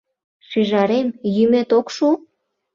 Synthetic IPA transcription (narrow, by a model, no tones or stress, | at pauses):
ʃyʒɑɾemjymet̪okʃu